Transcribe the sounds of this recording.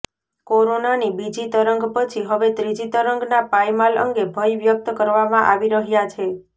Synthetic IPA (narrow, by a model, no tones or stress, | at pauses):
koɾonanibid͡ʒit̪əɾəŋɡpət͡ʃʰiɦəʋet̪ɾid͡ʒit̪əɾəŋɡnapajmalə̰ŋɡebʱəjʋjək̚t̪əkəɾʋamãʔaʋiɾəɦjat͡ʃʰe